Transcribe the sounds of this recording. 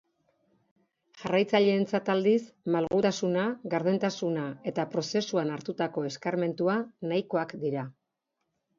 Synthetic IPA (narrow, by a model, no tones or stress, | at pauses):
ʝarajt͡saʎe̞ːnt͡sat̪ald̪ismalɣut̪asunaɣaɾðent̪asunae̞t̪apɾo̞se̞suanaɾt̪ut̪ako̞e̞skaɾme̞nt̪uanajko̞akd̪iɾa